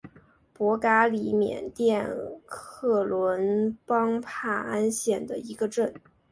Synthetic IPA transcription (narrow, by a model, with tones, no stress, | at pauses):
pwɔ˧˥ka˥li˧˥˩mjɛ̰˨˩nt̪jɛ˥˧nkʰɤ˥˩lwə˧˥npɑ˥ŋpʰa˥˩a˥nɕjɛ˥˩nd̪ə˩i˧˥ɡə˧ʈ͡ʂə˥˩n